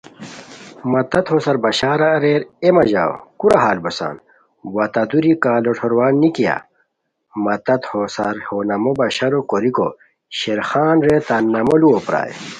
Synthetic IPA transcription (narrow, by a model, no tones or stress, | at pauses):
mɐt̪ɐt̪hosɐɾbɐɕaːɾaɾeːɾemɐʑa̰ːw̰kuɾaɦaːlbɐsa̰ːn | wɐt̪ɐd̪uɾikaːloʈʰoɾwaːnːikija̰ | mɐt̪ɐt̪hosɐɾhonɐmobɐɕɐɾokoɾiko̰ | ɕeɾxaːnɾet̪anːɐmoluopɾa̰ːjḛ